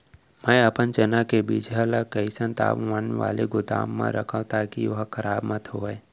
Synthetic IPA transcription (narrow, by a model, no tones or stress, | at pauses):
mə̃əpənt͡ʃənakebiːd͡ʒəlakəisə̃nt̪a̰ːʋʋənʋa̰ːleɡʊd̪a̰ːmːã̰ɾə̰kʰãt̪aːkiʋɐɦkʰəɾaːbmət̪ɦoːɛ